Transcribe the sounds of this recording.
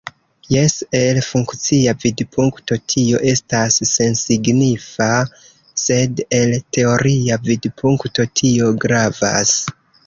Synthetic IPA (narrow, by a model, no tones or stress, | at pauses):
je̞se̞lfuŋkt͡siavidpʰuŋkto̞tʰio̞ʔe̞stasːe̞nsiɡnifa | se̞de̞ltʰe̞o̞ɾiavidpʰuŋkto̞tʰio̞ɡɾava̰s